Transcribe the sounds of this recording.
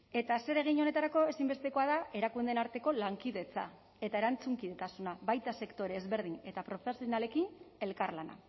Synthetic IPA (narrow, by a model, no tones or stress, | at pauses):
e̞t̪ase̞ɾe̞ɣ̞iɲo̞ne̞t̪aɾako̞e̞simbe̞st̪e̞ko̞aðae̞ɾakund̪e̞naɾt̪e̞ko̞laŋkiðe̞t͡sa̰ | e̞t̪ae̞ɾant͡suŋkiðe̞t̪asunaβajt̪ase̞kt̪o̞ɾeːzβe̞ɾð̞ine̞t̪apɾo̞fesionale̞kine̞lkarlana̰